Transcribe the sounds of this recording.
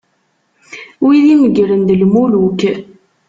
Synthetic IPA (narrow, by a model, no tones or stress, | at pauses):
wiðiməɡɾənd̪əlmuluk